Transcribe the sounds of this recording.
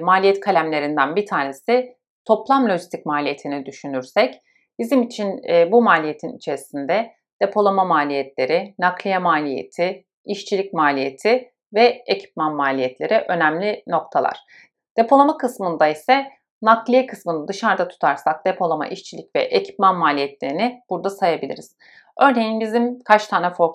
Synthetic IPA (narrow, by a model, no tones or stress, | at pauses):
maːlʲijɛt̪kʰalʲæmlʲe̞ɾind̪ænbit̪ʰaːne̞si | t̪ʰo̞plˠamlʲo̞ʒist̪ʰicmaːlʲije̞t̪ʰinid̪yʃynyɾsɛc | b̥izimit͡ʃʰinːbumaːlʲije̞t̪ʰinḭt͡ʃʰe̞ɾisind̪ɛ | d̪̥e̞pʰo̞lˠamamaːlʲijɛt̪lʲe̞ɾɪnaklʲijamaːlʲijḛt̪ʰɪ | iʃt͡ʃʰilʲicmaːlʲije̞t̪ʰɪ | vɛecʰi̥p̚manmaːlʲijɛt̪lʲe̞ɾiʔø̞næmlʲino̞kt̪ʰalˠa̰ɾ̥ | d̪̥e̞pʰo̞lˠamakɯsmɯnd̪aisɛ | naklʲˠijekʰɯsmɯnɯd̪ɯʃaɾd̪at̪ʰu̥t̪ʰaɾsak̚d̪̥e̞pʰo̞lˠama̰ʔiʃt͡ʃʰilʲicvɛ̰ʔecʰi̥pmanmaːlʲijɛt̪lʲe̞ɾinɪb̥uɾd̪asajabilʲḭɾiz̥ | ø̞ɾne̞jinbizimkʰat͡ʃt̪ʰaːnɛfoɾ